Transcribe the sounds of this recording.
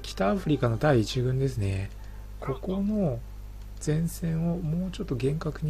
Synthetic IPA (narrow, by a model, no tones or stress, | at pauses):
kʲi̥t̪aːɸɯ̟ɾʲikano̞t̪aiːt͡ɕibɯ̟̃nd̪e̞sɨne̞ | kʰo̞ko̞no̞ | z̥ẽ̞ɰ̃sẽ̞ɰ̃o̞mo̞ːt͡ɕo̞t̪ːo̞ɡẽ̞ŋkakɯ̟ɲ̟